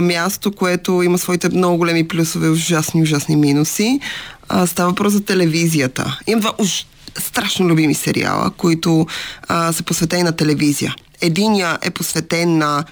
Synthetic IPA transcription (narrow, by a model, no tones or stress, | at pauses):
mʲjast̪okoɛt̪oimɐsvɔit̪ɛmnɔɡʊɡolɛmiplʲusovɛoʒasniʊʒasniminusi | st̪avəɐvɐpɾɔszɐt̪ɛlɛvizijət̪ə̰imɐmd̪vaʔʊʒ | st̪ɾaʃnolʲubimisɛ̰ɾḭa̰lˠə̰koit̪o | sɛposvɛt̪ɛninɐt̪ɛlɛvizijə̰ | ɛd̪injəʔɛ̰posvɛt̪ɛnːɐ